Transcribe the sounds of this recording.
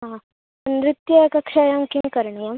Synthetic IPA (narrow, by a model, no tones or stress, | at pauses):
ɦa | ɐnɾit̪jɐkɐkʂaːjɐmkiŋkɐɾɳijɐm